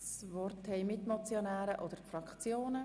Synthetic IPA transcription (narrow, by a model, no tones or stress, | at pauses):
svɔrthɛɪmɪt̪mɔt͡sjonæːɾəʔɔd̪əɾfɾɑkt͡sjoːnə